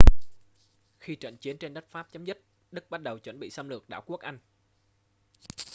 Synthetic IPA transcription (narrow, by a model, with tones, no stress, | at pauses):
xi˧t͡ɕə̰˧˨nt͡ɕi˨˦ənt͡ɕe˧nɗə˦˥t̚faː˦˥p̚t͡ɕa˨˦mzɨ˦˥t̚ | ɗɨ˦˥k̚ɓa˦˥t̚ɗə˨˩wt͡ɕwə̰˧˩nɓḭ˧˨saː˧mlɨ˨˩ək̚ɗaː˧˩wku˦˥ək̚ʔa˧jŋ̟